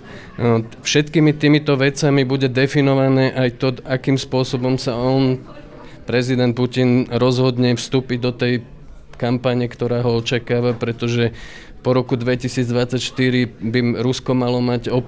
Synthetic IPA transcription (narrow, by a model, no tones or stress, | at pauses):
fʃɛt̪kiːmit̪iːmit̪ɔʋɛt͡samibuɟɛd̪ɛfinɔʋanɛːʔajt̪ɔakiːmspʊɔsɔbɔmsaɔn | pɾɛzid̪ɛnt̪̚pucinɾɔzɦɔd̪ɲɛfst̪uːpiɟd̪ɔt̪ɛj | kampaɲɛkt̪ɔɾaːɦɔɔt͡ʃakaːʋapɾɛt̪ɔʒɛ | pɔɾɔkud̪ʋɛcisiːd͡zd̪ʋat͡sːacʃt̪iɾibiɾuskɔmalɔmaɟɔ